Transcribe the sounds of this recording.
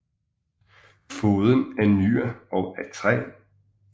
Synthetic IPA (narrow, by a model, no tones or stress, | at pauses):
foːð̞ˠənæɐnyːɐɒʊæt͡sʰʁɛ̰ː